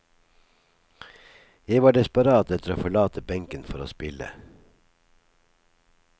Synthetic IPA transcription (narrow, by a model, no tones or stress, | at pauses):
jeɪʋɑːɖɛspɑɾɑːt̪ɛt̪əɾoːfɔɭɑːt̪ʰəbɛŋkənfɔɾo̰ːspɪlə̰